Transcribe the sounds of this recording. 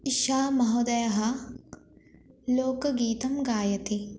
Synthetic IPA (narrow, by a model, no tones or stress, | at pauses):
iʃaːmɐɦod̪ɐjɐɦɐ̆ | loːkɐɡiːt̪ɐmɡaːjɐt̪i